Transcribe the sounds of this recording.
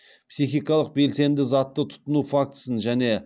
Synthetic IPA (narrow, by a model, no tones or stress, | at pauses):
psijxijkɑlˠəq̚be̞lse̞nd̪ɪzɑt̪ːət̪ʰʊ̥t̪ənufak̚t̪ə̥sənʒæne̞